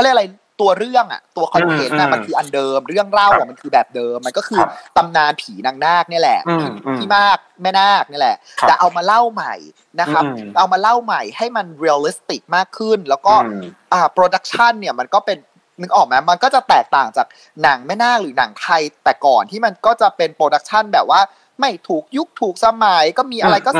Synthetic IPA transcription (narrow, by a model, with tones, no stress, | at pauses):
ɔ˥˩lɤ˧˥˩ʔɾa˧j | t̪u˧ɐɾɯ˥˩əŋʔa̰˨˩t̪u˧ɐkʰɔ˧n˧ɦe˩˦nːa˦˥˩ma˧nkʰɯː˧ʔa˧ndɤː˧mɾɯ˥˩əŋɾa˥˩wa˨˩ma˧nkʰɯː˧bɛː˨˩p̚dɤː˧mːa˧nkɔː˥˩kʰɯː˧t̪a˧mnaː˧npʰiː˩˦na˧ŋnaː˥˩k̚ni˥˩ɐ˨lɛ̰˨˩ʔt̪ʰiː˥˩maː˥˩k̚ma˥˩jnaː˥˩k̚ni˥˩˨lɛ̰˨˩ʔt̪ɛː˨˩ʔa˧wmaː˧la˥˩wma˨˩j | na˦˥kʰa˦˥p̚ʔa˧wmaː˧la˥˩wma˨˩jha˥˩jma˧nɾiː˧a˧li˦˥st̪i˨˩k̚maː˥˩kʰːɯ˥˩nlɛː˦˥wkɔː˥˩ | ʔaː˨˩pɾoː˧da˦˥k̚t͡ɕʰa˥˩nːi˥˩ɐma˧nkɔː˥˩pe˧n | ni˨˦ʔɔː˨˩k̚ma˦˥ma˧nkɔː˥˩t͡ɕa˨˩t̪ɛː˨˩k̚t̪aː˨˩ŋt͡ɕaː˨˩k̚ | na˩˦ŋma˥˩jnaː˥˩k̚ɾɯː˩˦na̰˩˦ŋt̪ʰa˧jt̪ɛː˨˩kɔː˨˩nt̪ʰiː˥˩ma˧nkɔː˥˩t͡ɕa˨˩pe˧npɾoː˧da˦˥k̚t͡ɕʰa˥˩nbɛː˨˩p̚waː˥˩ | ma˥˩jt̪ʰuː˨˩k̚ju˦˥˩k̚t̪ʰuː˨˩k̚sa˧ma˩˦jkɔː˥˩miː˧ʔa˧ɾa˧jkɔː˥˩